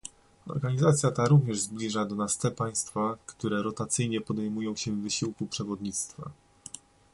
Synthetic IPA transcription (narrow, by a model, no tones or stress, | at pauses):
ɔ̰ɾɡaɲizat̪sʲjat̪aɾuvɲɛʐzblʲiʐad̪ɔnast̪ɛpaj̃st̪fakt̪uɾɛɾɔt̪at̪sɘjɲɛpɔd̪ɛjmujɔ̃w̃ɕɛvːɘɕiwkupʂɛvɔd̪ɲit̪st̪fa̰